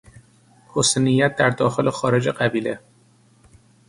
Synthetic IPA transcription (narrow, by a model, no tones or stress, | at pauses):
hosenijːæt̪̚d̪æɾd̪ɒːxelexɒːɾe̞d͡ʒeɢæbiːle